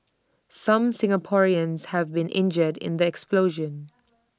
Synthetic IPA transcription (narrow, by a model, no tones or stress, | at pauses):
sʌ̃msɪ̃ŋəpʰɔɹiə̃nz̥həvbĩnʔɪ̰̃nd͡ʒədɪ̰̃nðiɛksploʊʒə̃n